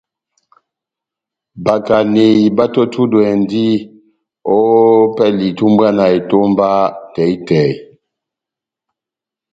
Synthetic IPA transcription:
ba˨ka˨ne˨i˨ba˦to˦tʰu˦dwɛ˨ndi˦ | o˦pɛ˦li˨tu˦mba˦na˨e˨to˦mba˦tɛ˨i˦tɛ˨j

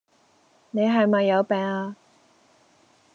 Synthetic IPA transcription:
ne˨˧jɦɐ˨jmɐ˨jːɐ˨˧wpɛː˨˩ŋaː˧

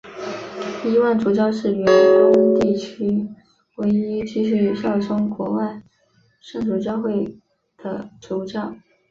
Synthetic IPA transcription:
i˥wa˥˩nʈ͡ʂu˧˥t͡ɕjɑ˥˧ʊʂɻ̩˥˩ɥɛ˧˥ntʊ˥ŋ˥t̪i˥˩t͡ɕʰy˥ | we˧˥ɪi˥t͡ɕʰi˥ʂ̬i˧˥˩ɕjɑ˥˩ʊʂɤ˥ŋkwɔ˧˥wa˥˧ɪ | ʂɤ˥˩ŋʈ͡ʂu˨˥˩t͡ɕjɑ˥˧ʊxwe˥˩ɪ | d̪̥ə˩ʈ͡ʂu˧˥t͡ɕjɑ˥˩ʊ

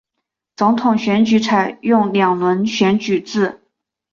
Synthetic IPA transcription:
t͡sʊ˧˥ŋt̪ʰʊ˨˩ŋɕɥɛ˧˥nt͡ɕy˧˥t͡sʰa˨˩ɪjʊ˥˩ŋljɑ˨˩ŋlwə˧˥nɕɥɛ˧˥nt͡ɕy˨˩t͡sɹ̩˥˩

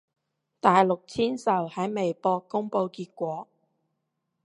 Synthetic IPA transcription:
t̪aː˨jlʊ˨k̚t͡sʰiː˥nsɐ˨˩whɐ˨˥jme˨jpɔː˧kːʊ˥ŋpo˧wkiː˧t̚kʷɔː˨˥

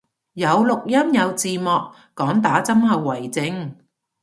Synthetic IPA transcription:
jɐ˨˧wlʊ˨k̚jɐ˥mjɐ˨˧wt͡siː˨mɔː˨kː | ɔː˨˥ŋt̪aː˨˥t͡sɐ˥mhɐ˨˧wːɐ˨˩jt͡sɪ˨˧ŋ

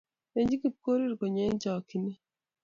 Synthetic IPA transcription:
e˨ɲd͡ʒi˦ki˨p̚ko˦ɾi˦ɾko˨ɲe˦ɲd͡ʒɔ˨ki˨ne˦

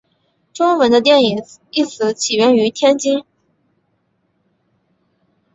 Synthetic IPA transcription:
ʈ͡ʂʊ˥ŋwə˧˥nd̪ə˧t̪̬jɛ˥˩ni˨˩ŋi˥˩sɹ̩˧˥t͡ɕʰi˨˩ɥɛ˥ny˧˥t̪ʰjɛ˥nt͡ɕi˥ŋ

